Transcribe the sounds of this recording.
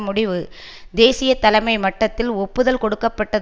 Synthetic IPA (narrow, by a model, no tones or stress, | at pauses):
mʊɽɪʋɯ | d̪eːsɪjɐt̪ɐlɐɪmɐɪmɐʈːɐt̪ːɪlɔpːɯðɐlkɔɽɯkːɐpːɐʈːɐð